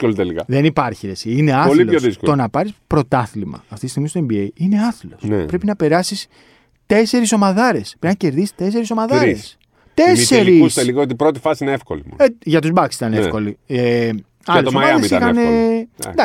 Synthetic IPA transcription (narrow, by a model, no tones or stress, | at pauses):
olit̪elikɐðenipɐɾçiet͡siine̞ɐoliloosðiskot̪o̞nɐpɐɾispɾo̞t̪ɐθlimɐ̰ɐft̪it̪ist̪iɣmist̪oembiejine̞ɐθlo̞spɾe̞pinɐpe̞ɾɐsis | t̪e̞se̞ɾiso̞mɐðɐɾe̞spɾeznɐce̞ɾðisi̥t̪e̞s̬e̞ɾiso̞mɐðɐɾes | t̪e̞eɾiuseliɣoot̪ipɾot̪ifɐsiineefko̰limo̰eʝɐt̪uzbɐksit̪ɐnefko̞lie | ɐɐleosomɐɐðesixɐnḛd̪ɐ